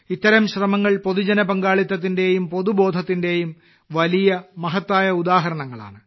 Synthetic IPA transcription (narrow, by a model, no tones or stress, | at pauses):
it̪ːɐɾɐmɕrɐmɐŋːɐɭpo̞ðud͡ʑɐnɐbɐŋɡaːɭit̪ːɐt̪̬ːinde̞jumpo̞ðubo̞ːd̪ʱɐt̪ːinde̞jum | ʋɐlijɐmɐɦɐt̪ːaːjɐud̪aːɦɐɾɐɳɐŋːɐɭa̰ːɳɨ